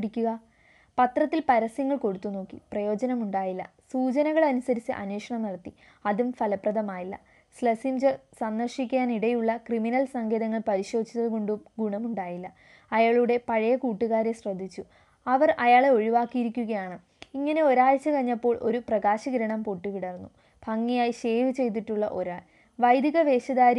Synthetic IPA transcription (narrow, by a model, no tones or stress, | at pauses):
ɽikʲːuɣɐ | pɐt̪rɐt̪ːilpɐɾɐsjɐŋːɐɭko̞ɽut̪ːunːo̞ːkːiprɐjo̞ːd͡ʑɐnɐmuɳɖaːjilːɐ̰ | suːd͡ʑɐnɐɣɐɭɐnusɐɾit͡ɕːɨ̰ʔɐ̰nweːʂɐɳɐmnɐɽɐt̪ːi | ɐðumfɐlɐprɐðɐmaːjilːɐ̰ | slɐsimd͡ʑɐsɐnd̪ɐrʂikʲːaːniɽɐjuɭːɐkriminɐlsɐŋɡʱeðɐŋːɐɭpɐɾiɕo̞ːd̪ʱit͡ɕːɐðɨko̞ɳɖumɡuɳɐmuɳɖaːjilːɐ | ɐjaːɭuɽe̞pɐɻɐjɐkuːʈːuɣaːɾeɕrɐd̪ʱːit͡ɕːu | ɐʋɐrɐjaːɭeo̞ɻiʋaːkːijiɾikʲːuɣɐjaːɳɨ | iŋːɐne̞o̞ɾaːɭt͡ɕːɨkɐɲːɐpːo̞ːɭʔo̞̰ɾuprɐɣaːɕɐɡɐɾɐɳɐmpoʈːukiɽɐrnːu | b̥ʱɐŋːijaːjiɕe̞ːʋɨt͡ɕe̞jt̪̬iʈːuɭːɐ̰ʔo̞ɾaːɭ | ʋɐjd̪iɣɐʋe̞ːɕɐðaːɾ